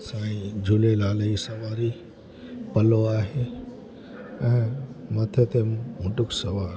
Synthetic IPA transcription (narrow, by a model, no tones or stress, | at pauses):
sãːĩd͡ʑʱulelaːleisɐʋaːɾi | pɐloaːɦeː | ɛ̃ːmɐt̪ʰet̪emʊʈʊksɐʋaːɾ